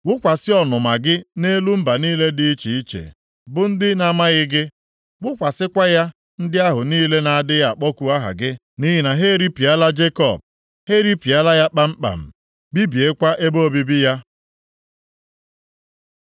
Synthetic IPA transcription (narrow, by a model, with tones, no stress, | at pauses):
wʊ˦kʷa˨sɪ˦ɔ˨nʊ˨ma˨ɡɪ˦ne˦lu˦m̩˦ba˨niː˦le˦dɪ˦i˦t͡ʃi˨i˦t͡ʃḛ˨ | bʊ˦n̩˦dɪ˦na˦ma˦ɣɪ˦ɡɪ˦ | wʊ˦kʷa˨sɪ˦kʷa˦ja˦ | n̩˦dɪ˦a˦ɦʊ˨niː˦le˦na˨a˨dɪ˦ɣa˦˨a˨k͡pɔ˦ku˨a˦ɦa̰˨ɡɪ˦ | ni˦ɦɪ˦na˨ɦe˦ɾi˦pi˨a˦la˦d͡ʒe˦kɔ˦˨b̚ | he˦ɾi˦pi˨a˦la˦ja˦k͡pa˦m̩˦k͡pa̰˨m̩˨ | bi˦bi˨e˨˦kʷa˦ʔe˦bo˦o˦bi˦bi˦ja˦